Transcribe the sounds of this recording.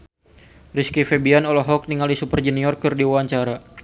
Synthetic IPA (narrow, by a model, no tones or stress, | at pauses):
riskifɛbianɔlɔɦɔk̚niŋalisupərd͡ʒɛniɔrkɨrdiwawaɲt͡ʃaɾa